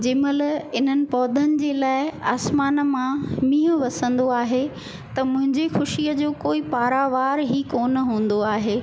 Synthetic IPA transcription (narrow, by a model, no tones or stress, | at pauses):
d͡ʑɪmələɪn̤ənɪ̆pɔːd̪ʱənɪ̆d͡ʑeːlaːɪaːsmaːnmãmĩːɦə̃ʋɐsə̃nd̪oaːɦe | t̪ɐmʊ̃ɦɪ̃ɲd͡ʑexʊʃijəd͡ʑoːkoːipaːɾaːʋaːɾɦikoːnɦũːn̆d̪oaːɦeː